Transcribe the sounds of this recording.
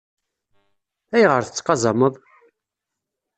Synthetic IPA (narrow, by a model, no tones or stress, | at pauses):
æjʁəɾθə̥t͡sːqɑzˤɑməðˤ